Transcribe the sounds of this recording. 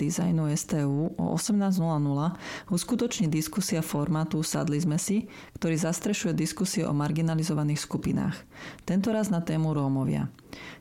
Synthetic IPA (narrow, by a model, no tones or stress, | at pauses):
izajnuɛst̪ɛːuːʔɔ̰ʔɔsɛmnaːznulanulauskut̪ɔt͡ʃɲiːd̪iskusiafɔɾmaːt̪usa̰d̪lizmɛsi | kt̪ɔɾiːzast̪ɾɛʃujɛd̪iskusiɛʔɔ̰maɾɡinalizɔʋaniːxskupina̰ːxt̪ɛnt̪ɔɾaznat̪ɛːmuɾɔmɔʋɪa̰